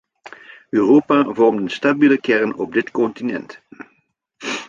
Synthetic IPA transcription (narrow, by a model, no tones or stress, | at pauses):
øːroːpaːvɔrmtənstabiːləkɛrnɔ̰b̚dɪtkɔntinɛ̰nt